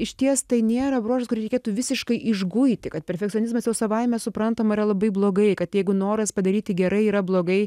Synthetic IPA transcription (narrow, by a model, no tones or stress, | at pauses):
ɪʃʲt̪ʲiɛst̪ɐɪnʲeːɾɐbɾoːʃɐskʊɾʲɪɾʲɛɪkʲeːt̪uʋʲɪsʲɪʃkɐɪʔɪʒɡʊɪt̪ʲɪkɐt̪̚pʲɛɾʲfʲɛkt̪t͡s̪ʲonʲɪz̬mɐsjɛʊsɐʋɐɪmʲɛsʊpɾɐnt̪oːmiɾɐlˠɐbɐɪblˠoːɡɐɪkɐt̪jɛɪɡʊnoːɾɐspɐd̪ɐɾʲiːt̪ʲɪɡʲɛɾɐɪiːɾɐblˠoːɡɐɪ